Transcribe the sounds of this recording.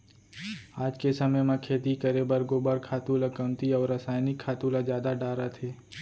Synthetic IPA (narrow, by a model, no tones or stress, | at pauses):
aːd͡ʒkesɐməjmãkʰeːt̪ikəɾebəɾɡoːbəɾkʰaːt̪uːlakəmt̪iɔːɾəsaːjnɪkʰːaːt̪ulazjaːd̪aɖaːɾat̪ʰeː